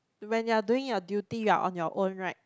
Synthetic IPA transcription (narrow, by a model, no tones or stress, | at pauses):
wɛ̃njad̪wɪ̃jɔd̪jut̪ijwa̰ʔɔ̰̃njɔʔõnɹaɪt̚